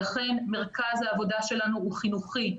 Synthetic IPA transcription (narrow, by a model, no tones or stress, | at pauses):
aχe̞nme̞ʁkazhaːvo̞daʃe̞lanuuχinuχi